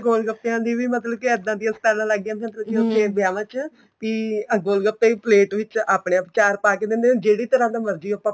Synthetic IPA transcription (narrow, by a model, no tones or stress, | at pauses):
ɡoːlɡəpːãːd̪iːʋiːmət̪ləbkɪɪd̪ãːd̪ijãsʈ̪ɛːlãːləɡãːt̪ə̃t̪ləd͡ʒiʊt̪eːbɪjaːʋãːt͡ʃ | piːɡoːlɡəpːeːiːpleːʈʋɪt͡ʃaːpɽeːapt͡ʃaːɾpaːkeːd̪ẽːnd̪ẽːd͡ʒeːɽiːt̪əɾãːd̪ãːməɾd͡ʒiːoːpãː